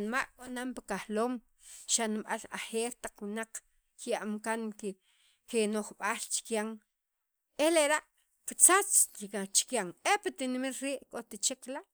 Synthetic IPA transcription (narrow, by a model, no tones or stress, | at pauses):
nmaʔkʼonampakahloːm | ʃanimɓa̰laxeːɾt̪aq͡χwinaq͡χ | kjaʔmkaŋke | kenoχɓaːlt͡ʃi̥kjaŋ | eleɾaʔ | kit͡sat͡sikat͡ʃi̥kjaŋepat̪inmit̪ɾiːʔkʼot̪it͡ʃiklaʔ